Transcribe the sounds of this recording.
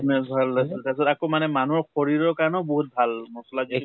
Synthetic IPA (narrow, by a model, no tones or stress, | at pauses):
mɛsbʱalːasiltas̬ɔtakomanɛmanuɹxɔɹiɹɔɹkaɹnɔʊbɔɦut̚bʱalmɔsɔlazi